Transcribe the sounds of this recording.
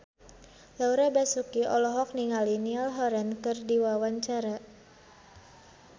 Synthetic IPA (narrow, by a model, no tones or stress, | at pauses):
lauɾabasukiʔɔ̰lɔɦɔk̚niŋalinialɦɔɾɛnkɨrdiwawaɲt͡ʃaɾa